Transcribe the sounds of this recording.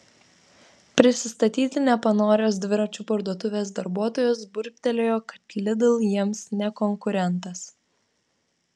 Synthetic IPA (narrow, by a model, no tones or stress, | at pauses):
pʲɾʲɪsʲɪst̪ɐt̪ʲiːt̪ʲɪnʲɛpɐnoːɾʲoːsd̪ʲʋʲɪɾɐt͡ʃʲuːpɐɾd̪uɔt̪ʊʋʲeːsd̪ɐɾbuɔt̪oːjoːsbʊɾʲp̚ʲt̪ʲɛlʲoːjoːkɐt̪kʲlʲɪd̪ʊlˠjiɛmsnʲɛkɔŋkʊɾʲɛnt̪ɐs